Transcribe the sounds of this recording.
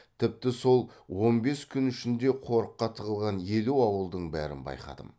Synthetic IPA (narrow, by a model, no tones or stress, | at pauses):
t̪ʰɪp̚t̪ɪso̞lˠwo̞nbe̞skʲʰʏnʏʃɪnd̪e̞qʰo̞ɾəqːɑt̪ʰəʁəlˠʁɑnje̞luɑwəlˠd̪əɴbæɾɪ̰nbɑ̰jqɑ̰d̪ə̰m